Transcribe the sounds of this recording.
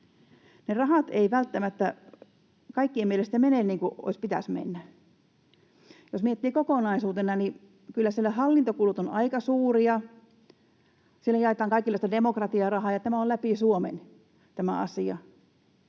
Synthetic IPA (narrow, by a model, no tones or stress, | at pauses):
nerɑhɑt̪eiʋælt̪ːæmæt̪ːæ | kɑikːiemielest̪æmeneˑnniːŋkuʔo̰ispit̪æ̰smḛnːæ | josmiet̪ːiːkokonɑisuːt̪enɑni | kylːæsielːæhɑlːint̪okulut̪onɑikɑsuːriɑ | silːojɑˑet̪ˑɑːŋkɑikˑilɑˑist̪ɑdemokrɑt̪iɑrɑhɑːjɑt̪æmæˑollæpisuomḛn | t̪æmæ̰ɑ̰siɑ̰